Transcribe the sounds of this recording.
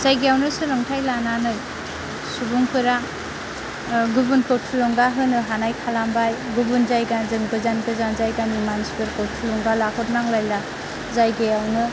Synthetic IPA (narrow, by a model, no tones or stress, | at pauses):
zajɡejawnɯsɯlaŋtʰajlananɯj | subuŋpʰɯɾa | ɡubunkʰɯwtʰulɔŋɡaɦɯnɯɦanajkʰalambaj | ɡubunzajɡanzɯŋɡɯzankɯzanzajɡanimanspɯɾkʰɯwtʰulɔŋɡalakʰɔt̚naŋlajla | zajɡejawnɯ